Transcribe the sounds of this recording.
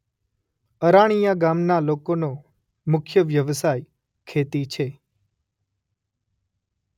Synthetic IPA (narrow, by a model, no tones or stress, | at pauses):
əɾaɽ̃ijaɡamnalokono | mʊkʰjəʋjəʋsaj | kʰet̪it͡ʃʰe